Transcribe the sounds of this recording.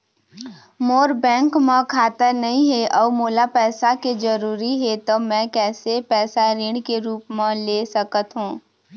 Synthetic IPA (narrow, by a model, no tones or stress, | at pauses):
moːɾbɛ̃ːŋkmẽkʰaːt̪əɾnɐɦĩɦeʔɔːmoːlapɛːsaked͡ʒəɾuːɾiɦet̪omɛ̃kɛːsepɛːsaɾẽːɽkeɾuːpmẽleːsəkət̪ɦũː